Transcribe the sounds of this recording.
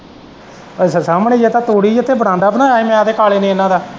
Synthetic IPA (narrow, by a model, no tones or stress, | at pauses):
ssaːmɳẽːd͡ʒet̪ãːt̪oːɽiːd͡ʒət̪ʰːeːbəɽãːnd̪aːpənãːaːeːmɛ̃ːad̪eːkaːleːnĩːnːãːd̪aː